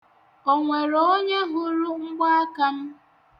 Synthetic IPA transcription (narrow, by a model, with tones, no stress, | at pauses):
o˨ŋʷe˨ɾo˦ɲe˦ɦʊ˦ɾʊ˦ŋ͡m̩˦ɡ͡ba˦a˦ka˦m̩˦